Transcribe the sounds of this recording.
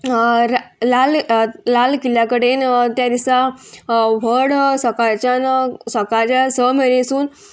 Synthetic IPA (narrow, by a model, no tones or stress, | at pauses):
lallalkiljakəɽent̪jad̪isa | ʋəɽsəkaɾt͡ɕansəkaɾt͡ɕasəmeɾesuːn